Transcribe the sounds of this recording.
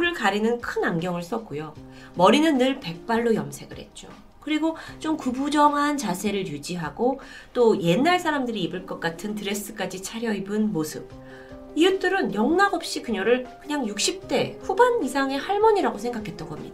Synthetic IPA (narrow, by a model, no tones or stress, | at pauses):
uɾɯɭkaɾinɯnkʰɯnamɡjʌŋɯɭs͈ʌk̚k͈ujo | mʌɾinɯnːɯɭpe̞k̚p͈aɭːojʌmsʰe̞ɡɯɭhḛt̚t͡ɕ͈o̰ | kɯɾiɡot͡ɕomkubud͡ʑʌŋɦant͡ɕasʰe̞ɾɯɭjud͡ʑiɦaɡo | t͈oje̞nːaɭsʰaɾamdɯɾiːbɯɭk͈ʌk͈atʰɯntɯɾe̞s͈ɯ̥k͈ad͡ʑit͡ɕʰaɾjʌibɯnmosʰɯp̚ | iɯt͈ɯɾɯnjʌŋnaɡʌp̚ɕ͈ikɯɲʌɾɯɭkɯɲaŋjuk̚ɕ͈ip̚t͈e̞ɸubanisʰaŋe̞haɭmʌɲiɾaɡosʰe̞ŋɡakʰe̞t̚t͈ʌnɡʌmɲḭd̥a